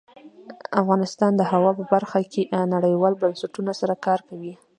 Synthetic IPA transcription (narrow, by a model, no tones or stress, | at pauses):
afɣɑnɪst̪ɑnd̪əhawɑpəbaɾxakʰenaɽəjwɑlbansaʈunasaɾakɑɾkawi